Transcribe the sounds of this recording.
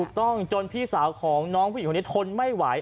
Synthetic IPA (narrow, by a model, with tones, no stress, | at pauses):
uː˨˩k̚t̪ɔ˥˩ŋt͡ɕo˧npʰiː˧˥˩saː˩˦wkʰɔː˩˦ŋnɔː˦˥kʰpʰːt̪ʰo˧nma˥˩jwaː˩˦j